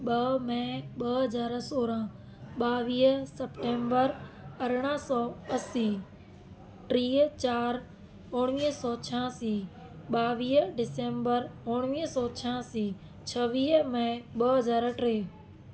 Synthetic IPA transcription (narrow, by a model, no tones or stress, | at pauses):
ɓɐmɐ̃ɓɐɦɐzaːɾsoːɾã | ɓaːʋiːɦsɐpʈẽːmbəɾɐɾɽ̃ə̃sɔːɐsiː | ʈɾiːt͡ɕaːɾ | ʊɽ̃ʋiːɦsɔːt͡ɕʰãːsiː | ɓaːʋiːɦɖɪsẽːmbəɾʊɽ̃ʋiːɦsɔːt͡ɕʰãːsiː | t͡ɕʰɐʋiːɦmɐ̃ɓɐɦɐzaːɾʈɾeː